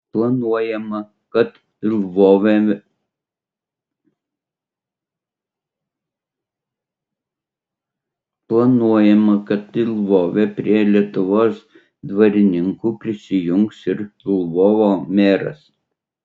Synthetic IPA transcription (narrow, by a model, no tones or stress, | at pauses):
plˠɐnuɔjɛmɐ | kɐt̪ | ɪlˠʋoːʋʲɛ | plˠɐnuɔjɛmɐkɐt̪ɪlˠʋoːʋʲepʲɾʲiɛlʲiɛt̪ʊʋoːs | d̪ʋɐɾʲɪnʲɪŋkuːpʲɾʲɪsʲɪjʊŋksɪɾɪlˠʋoːʋoːmʲeːɾɐ̰s